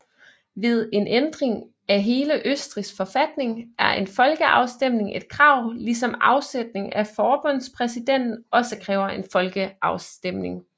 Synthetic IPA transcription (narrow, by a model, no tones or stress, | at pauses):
ʋe̝ð̞ˠe̝nʔend̥ʁeŋ | æɦe̝ːləʔøsd̥ʁisfɒ̽fæd̥ne̝ŋʔæɐʔe̝nfɒ̽lɡ̥əʔɑ̈ʊsd̥em̰ne̝ŋʔe̝d̥̚kʰʁɑ̈ʊ̰lisɒ̽mɑ̈ʊsed̥ne̝ŋæfɒːb̥ɔ̽n̰spʰʁɛsid̥en̰d̥n̩ɒ̽səkʰʁɛːʊɐʔenfɒ̽lɡ̥əʔɑ̈ʊsd̥em̰ne̝ŋ